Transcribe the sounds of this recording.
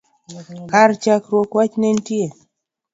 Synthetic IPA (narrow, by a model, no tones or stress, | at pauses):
kaɾt͡ʃakɾokwat͡ʃnentie